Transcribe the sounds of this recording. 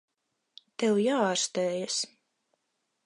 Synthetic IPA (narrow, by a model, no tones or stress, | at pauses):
t̪ɛwjaːaɾst̪ɛːjas